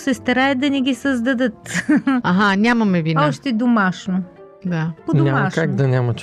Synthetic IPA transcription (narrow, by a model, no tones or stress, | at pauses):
sɛst̪ɐɾaɐd̪̚d̪ɐnɛɡʲisɐzd̪ɐd̪ət̪aɦanʲamɐmɛvinɔʃt̪ɛd̪omaʃno | d̪apodnʲammɐʃkaɡd̪ɐnʲamɐt͡ʃ